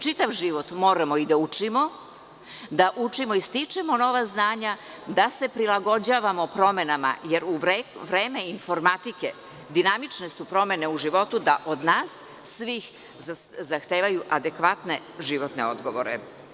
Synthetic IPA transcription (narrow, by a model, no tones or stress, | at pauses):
t͡ʃit̪aʋʒiʋot̪mo̞ːɾamo̞id̪aut͡ʂimo̞ | d̪aʔut͡ʂimoist̪it͡ʂemo̞no̞ʋaznaːɲa | d̪ase̞pɾilˠaɡo̞d͡ʑaːʋamo̞pɾo̞me̞nama̰je̞ɾuʋɾeʋɾe̞ːmeinfo̞ɾmat̪ike̞ | d̪inamit͡ʃne̞supɾo̞me̞ne̞uʒiʋo̞t̪ud̪aʔod̪naːsː | ʋix | zaxt̪eːʋajuʔad̪e̞kʋat̪ne̞ | ʒiʋo̞t̪ne̞̰o̞̰d̪ɡo̞ʋoɾḛ